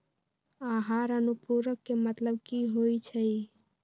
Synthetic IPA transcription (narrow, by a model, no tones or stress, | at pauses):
aɦaɾənupuɾəkːemət̪ləb̚kiɦojt͡ʃʰəj